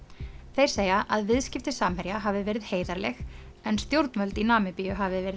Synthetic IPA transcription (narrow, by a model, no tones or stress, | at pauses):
θejɾ̥seːjaʔaðvɪðscɪft̪ɪsaːmhɛɾjaɦaːvɪvɛːɾɪðheːjðaɾlɛ̰x | ɛnst̪jowɾt̪nvœlt̪inaːmɪpijʏɦavɪvɛːɾɪ